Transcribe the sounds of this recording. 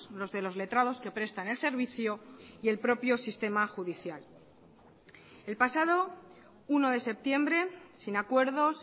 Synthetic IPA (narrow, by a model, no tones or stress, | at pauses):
lo̞zðe̞lo̞zle̞t̪ɾað̞o̞ske̞pɾe̞st̪ane̞lse̞ɾβ̞iθjoie̞lpɾo̞pjo̞sist̪e̞maxuðiθjal | e̞lpasað̞o̞ | uno̞ðe̞se̞p̚t̪je̞mbɾe̞sinakwe̞ɾð̞o̞s